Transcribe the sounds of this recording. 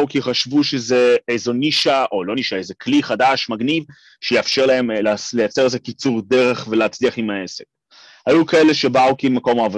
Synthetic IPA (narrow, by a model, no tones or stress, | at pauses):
ukiχaʃvuʃezeejzoniʃaʔo̞lo̞niʃaejzekliχadaʃmaɡniv | ʃejafʃe̞ʁlae̞mllejat͡se̞ezekit͡suʁd̪e̞ʁe̞χveleɦat͡sliaχimae̞sek̚ | hajukae̞le̞ʃebaukimako̞maːvo